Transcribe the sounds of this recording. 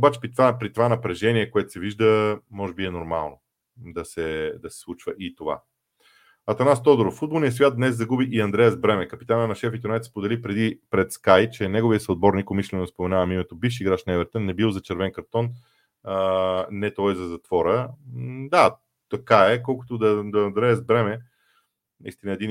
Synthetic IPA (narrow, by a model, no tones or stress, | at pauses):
obat͡ʃɛ̥pɾit̪vapɾit̪ovanɐpɾɛʒɛniɛkoɛt̪ʊ̥sɛviʒd̪əmɔʒɛbiɛnoɾma̰lˠno | d̪ɐsɛd̪ɐsɛ̥slˠut͡ʃvəʔit̪ova̰ | ɐt̪ɐnast̪ɔd̪oɾofːud̪bolˠnijəsvʲjat̪̚d̪nɛszɐɡubiʔiɐnd̪ɾɛjəzbɾɛmɛkəpi̥t̪anənɐʃɛfit̪onajt̪spod̪ɛlipɾɛd̪ipɾɛt̪skajt͡ʃɛnɛɡoviəsoːd̪̚bɔɾnikomislʲɛnospomɛnavəmimɛt̪obifʃ̬iːɡɾaʃnɛvɛɾt̪ənːɛbilˠzɐt͡ʃɛɾvɛnkɐɾt̪ɔn | nɛt̪ɔjzɐzɐt̪vɔɾə | d̪a | t̪ɐkaɛkɔlˠkʊ̥t̪od̪ɐd̪ɐːnd̪ɾɛjəzbɾɛmɛ | nɐ̰ist̪inəɛd̪in